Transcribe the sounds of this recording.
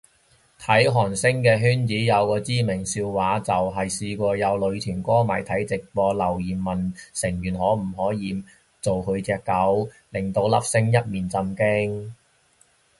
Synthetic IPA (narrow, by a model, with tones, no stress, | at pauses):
t̪ʰɐ˨˥jɦɔː˨˩nsɪ˥ŋkɛː˧ɦyː˥nt͡siː˨˥jɐ˨˧wkɔː˧t͡siː˥mɪ˨˩ŋsiː˧wwaː˨˧˥t͡sɐ˨wɦɐ˨jsiː˧kʷɔː˧jɐ˨˧wlɵ˨˧ɥt̪ʰyː˨˩nkʷɔː˥ma̰ː˨˩jt̪ʰɐ˨˥jt͡sɪ˨k̚pɔː˧lɐ˨˩wjiː˨˩mːɐ˨nsɪ˨˩ŋjyː˨˩nɦɔː˨˥m̩˨˩ɦɔː˨˥jiː˨˧m | t͡so˨wkʰɵ˨˧ɥt͡sɛː˧kːɐ˨˥w | lɪ˨˩ŋt̪o˧wlɐ̰˥p̚sɪ˥ŋjɐ˥t̚miː˨˩nt͡sɐ˧mkɪ˥ŋ